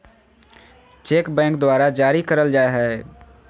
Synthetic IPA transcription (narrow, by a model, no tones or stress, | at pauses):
t͡ʃeːkbɛ̃ːŋkd̪waːɾad͡ʒaːɾikəɾəld͡ʒaːeɦɛː